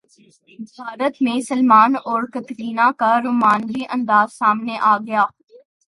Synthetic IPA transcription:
bʱaːɾət̪mẽsɐlmaːnɔːɾkɐt̪ɾiːnãkaɾʊmaːnɾiʔɐ̃nd̪aːzsaːmneʔaːɡɐjaː

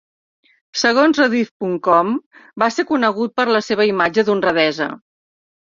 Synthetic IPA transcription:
səɣ̞onzrəðifpuŋkɔmbasekunəɣ̞ut̪̚pəɾləseβ̞əimad͡ʒəðunrəðɛzə̰

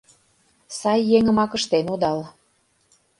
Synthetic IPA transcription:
sɑjːeŋə̆mɑkə̆ʃt̪enud̪ɑl

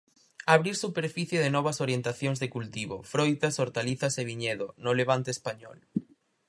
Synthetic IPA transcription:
aβɾiɾsupeɾfiθjeðenɔβ̞ɐsoɾjent̪aθjoŋzðekult̪iβo̰fɾojt̪asoɾt̪aliθɐseβiɲeðonoleβ̞ant̪eːspaɲɔ̰l

